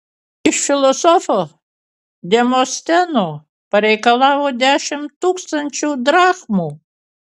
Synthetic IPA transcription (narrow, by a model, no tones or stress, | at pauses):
iʃfʲilˠɔsɔfɔ | d̪ʲɛmɔst̪ʲɛnɔ | pɛɾɛjkɐlˠawɔd̪ʲaʃɪmt̪uksɐnʲt͡ʃuwd̪ɾaxmʊ